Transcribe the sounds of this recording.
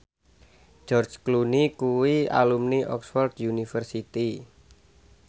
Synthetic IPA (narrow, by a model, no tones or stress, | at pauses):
d͡ʒ̥ɔrd͡ʒklunikuwia̰lumniʔɔksfɔrd̪̥junifərsit̪i